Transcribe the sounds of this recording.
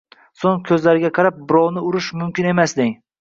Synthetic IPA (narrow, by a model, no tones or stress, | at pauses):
soŋkʲʰɵzlaɾɪɡʲaqʰɑɾap̚bʊɾɒwnɪʊɾɪʃmʊmkʲɪne̞masd̪ɪŋ